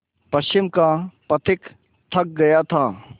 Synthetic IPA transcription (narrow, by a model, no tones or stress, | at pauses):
pɐst͡ʃɪmkapɐt̪ʰɪk | t̪ʰɐk̚ɡɐjat̪ʰaː